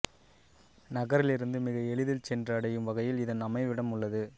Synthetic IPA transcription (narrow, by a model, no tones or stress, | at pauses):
nɐɣɐɾɪlɪɾɯnd̪ɯmɪɣɐɛɭɯðɪlt͡ʃɛndrɐːɽɐjɯmʋɐɣɐjɪlɪðɐnɐmɐɪʋɪɽɐmʊɭːɐðɯ